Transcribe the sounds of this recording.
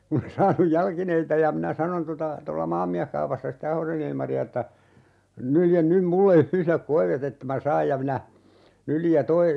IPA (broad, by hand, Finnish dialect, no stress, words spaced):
kun e sɑːnuj jɑlkineitɑ jɑ minæ sɑnon totɑ tolːɑ mɑːmːiæhkɑupɑsːɑ sitːe ɑhosen ilmɑriɑ etːæ nyljen nym mulːe yhlek koiʋet etːæ mæ sɑːj jɑ minæ nyljij jɑ toi